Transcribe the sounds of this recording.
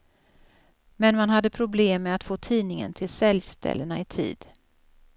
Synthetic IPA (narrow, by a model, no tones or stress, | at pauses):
mɛnmanɦad̪ːəpʰɾʊbleːmːɛat̪foːt̪ʰiːnɪŋə̰nt̪ʰɪlsɛljst̪ʰɛ̰lːənaɪt̪ʰḭːd̪̥